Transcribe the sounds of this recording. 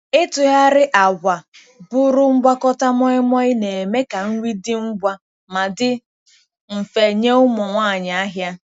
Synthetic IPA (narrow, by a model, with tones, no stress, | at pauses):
ɪ˦tʊ˨ɦa˦ɾɪ˦ʔa˨ɡʷa˨ | bʊ˦ɾʊ˦ŋ͡m̩˦ɡ͡bʷa˦kɔ˦ta˦mɔ˦ɪ˦mɔ˦ɪ˦ne˨e˨me˦ka˨ŋ̩˦wi˦dɪ˦m̩˦ɡ͡bʷa˦ | ma˨dɪ˦ | m̩˨fe˨ɲe˦ʊ˦mʊ˨ŋʷaː˦˨ɲa˨a˦ɦja˦